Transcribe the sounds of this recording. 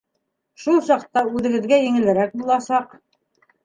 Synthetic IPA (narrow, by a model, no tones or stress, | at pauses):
ʃulˠsɑqt̪ɑʉðɘ̆ɡɘ̆ðɡæjɘ̆ŋɘ̆lɘ̆ɾæk̚bulˠɑsɑq